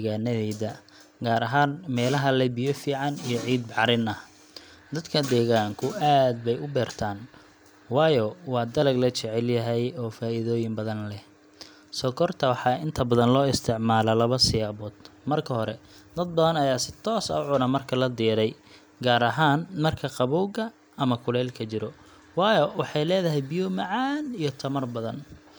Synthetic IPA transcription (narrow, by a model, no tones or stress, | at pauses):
d̪ɛɣaːnɐðɛːðɐ | ɡaːɾɐɦaːnmɛːlɐɦɐlɛbɪjɔfiːʕɑnijɞʕiːd̪̚ʕɑɾɪnɐh | d̪ɐd̪kʰɐd̪ɛːɣaːŋkʰʊʔaːd̪̚bɛjʊbɛːrt̪ʰaːn | wɑːjɔwɑːd̪ɐlɐɡlɐt͡ʃɛʕɛljɐɦɛjɔːfaːiðɔːjɪmbɐðɐnlɛh | sɔkʰɔrt̪ʰɐwɑħɑːɪnt̪ʰɐbɐðɐnlɔːɪst̪ʰɪʕmaːlɐlɐβɐsɪjaːβɔːd̪̥mɐrkʰɐɦɔɾɛd̪ɐd̪̚bɐðɐnɐjaːsɪ̥t̪ʰɔːsɐ̰ʊʕʊnɐmɐrkʰɐlɐd̪iːɾɛj | ɡaːɾɐɦaːnmɐrkʰɐqɑβuːɡɐ | ɐmɐkʰʊlɛːlkʰɐt͡ʃɪɾɔ | wɑːjɔwɑħɑjlɛːðɐɦɛjbɪjɔmɐʕɑːnijɔt̪ʰɐmɐrbɐðɐn